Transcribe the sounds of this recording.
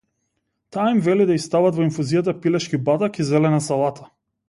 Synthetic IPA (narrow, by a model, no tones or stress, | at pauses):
t̪aːimvɛlid̪aist̪avat̪vɔiɱfuzijat̪̬apilɛʃkibat̪akizɛlɛnasalˠat̪ʰḁ